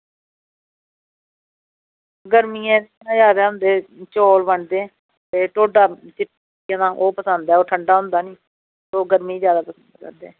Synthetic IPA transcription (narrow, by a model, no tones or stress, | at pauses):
ɡəɾmiːaɛ̃ː | ãːzjaːd̪aːɦʊ̃nd̪eːt͡ʃoːlʋəɳd̪ẽː | t̪eːʈoːɖaːt͡ʃɪp | jãːnãːʔoːpəsənd̪ɛːoːʈʰəɳɖaːɦʊ̃nd̪aːniː | soːɡəɾmiːzjaːd̪aːpəsənd̪kə̰ɾd̪eː